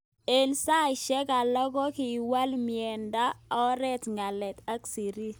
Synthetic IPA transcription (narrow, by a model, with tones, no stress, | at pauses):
e˨nsa˦i˨ʃɛ˦ka˨lɔ˦ɡɔ˦kɪ˨wa˦lmjɛ˨nda˦ɔ˦ɾɛ˦tŋa˨lɛ˨t̪a˦ksi˨ɾi˦